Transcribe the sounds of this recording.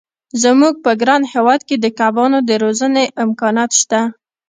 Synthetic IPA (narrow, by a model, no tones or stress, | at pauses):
zəmuɡ̚pəɡɾɑnhewɑd̪ked̪əkabɑnod̪əɾozəneʔɪmkɑnɑt̪ʃt̪a